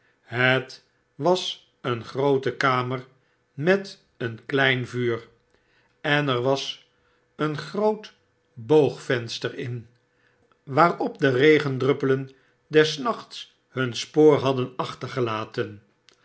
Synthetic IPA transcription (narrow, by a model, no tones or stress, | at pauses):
ɦət | ʋɑs | ənχrowtəkaːməɹ | mɛt | ənklɛjnvyːr | ɛnɛɹʋɑs | ənχrowt | bowχfɛnstəɹɪn | ʋaːrɔp̚dərejχəndrɵpələn | dɛsnɑχts | hɵnspoːɹɦɑdənɑχtəɹχəlaːtən